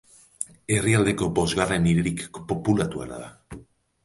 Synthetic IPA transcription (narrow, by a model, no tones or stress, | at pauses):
e̞riald̪e̞ko̞bo̞zɣare̞niɾeɾikpo̞pulat̪uḛna̰ða